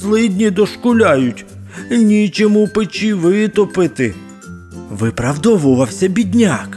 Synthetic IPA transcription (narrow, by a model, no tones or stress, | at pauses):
zlˠɪd̪ʲnʲid̪ɔʃkʊlʲajʊtʲ | nʲit͡ʃɔmupɪt͡ʃiʋɪt̪ɔpɪt̪ɪ | ʋɪpɾɐwd̪ɔʋʊʋɐwsʲɐbʲid̪ʲnʲak